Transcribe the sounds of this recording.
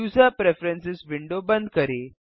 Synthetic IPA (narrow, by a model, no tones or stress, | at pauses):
usapɾefɾensisʋiɳɖobənd̪kəɾe